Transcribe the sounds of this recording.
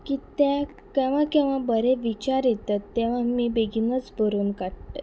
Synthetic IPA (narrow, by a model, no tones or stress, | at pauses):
kiːt̪jã | kɛ̃ʋãkɛ̃ʋãbəɾeʋit͡ɕaɾit̪at̪ːɛ̃ʋ̤amiːbeɡʱinət͡sbʱəɾuːnkaɽt̪ə